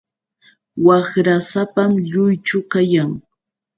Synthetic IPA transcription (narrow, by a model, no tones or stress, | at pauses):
wakɾasapamʎʊjt͡ʃʊkajaŋ